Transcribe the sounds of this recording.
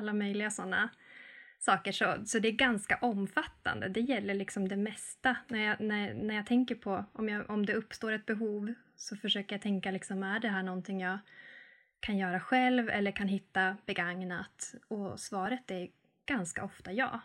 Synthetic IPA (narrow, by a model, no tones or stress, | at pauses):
alːamœjlɪɡasɔnːa̰ | sɑːkəʂɔsɔd̪ɛːɾɡanskaʔɔmːfat̪ːa̰nd̪ə̰d̪ɛjɛlːəɭɪksɔmd̪ɛmɛst̪anæɾjɑnæɾnæɾjaːt̪ʰɛŋkəɾpʰɔʔɔmjɑːʔɔmd̪ɛɵpːst̪oːɾɛt̪̚bɛɦuːv | sɔfœʂøːkəɾjat̪ʰɛŋkalɪksɔmæɖɛɦæːɳɔnt̪ʰɪŋjɑː | kʰanjœːɾaɧɛlvɛ̰lːəɾkʰanɦɪt̪ːab̥ɛɡaŋnat̪ɔsvɑːɾət̪ɛɾ | ɡ̥anska̰ɔft̪ajɑ̰ː